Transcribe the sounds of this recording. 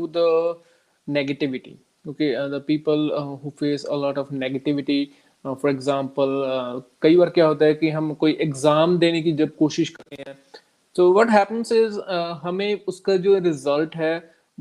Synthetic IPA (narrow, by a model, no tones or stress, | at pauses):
ud̪ə | neɡəʈɪʋɪʈḭ | kõːked̪əpiːpəlɦuːfeːsə̰lɔːʈɔʋneɡəʈɪʋɪʈi | fɔːɾɪɡzãːmpəlkɐibaːɾkjaɦoːt̪̬aɦɛkiɦɐ̃mkoːiʔɛɡzaːmd̪eːnekid͡ʒɐb̚koːʃɪʃkɐɾt̪eɦɛ̃ː | t̪oːʋɔʈɦɛːpə̃nsɪzɦɐmẽʊskad͡ʒoːɾɪzəlʈɦɛ